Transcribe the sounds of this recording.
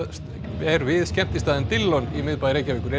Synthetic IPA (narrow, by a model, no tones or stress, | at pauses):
ɛɾvɪðscɛm̥t̪ɪst̪aːðɪnt̪ɪlːɔnimɪðpaðɾeːjcavɪkʏɾe